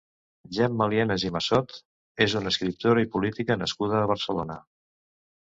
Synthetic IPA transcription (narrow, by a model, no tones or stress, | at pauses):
ʒɛmmːəliɛnezimasɔt̪ | ezunəskɾip̚t̪oɾəipulit̪ikənəskuð̞əːβəɾsəlonə